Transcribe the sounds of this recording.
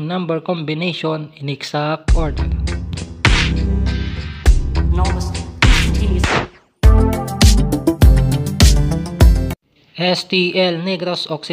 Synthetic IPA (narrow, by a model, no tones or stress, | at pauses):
ŋnãmbɛɹkɔmbɪnejʃonɪ̃nɛksak̚t̪ʔɔɹd̪ɛɹ | nɔsʰ | i | ʔɛst̪iʔɛlnɛɡɾosɔksɪ